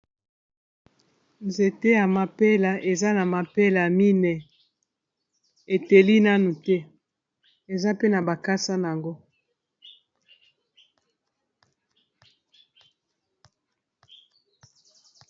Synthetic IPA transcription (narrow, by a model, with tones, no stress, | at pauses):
nze˨te˦ja˨ma˨pe˦la˨ʔe˨za˦na˨ma˨pe˦la˨mi˦nɛ˨ | e˨te˨li˦na˦nu˨tɛ˦ | e˨za˦pe˦na˨ba˨ka˦sa˦n˨a˨ŋɡo˦